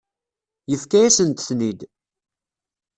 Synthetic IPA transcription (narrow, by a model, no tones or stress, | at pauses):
jəfkæjæsənt̪θnid̪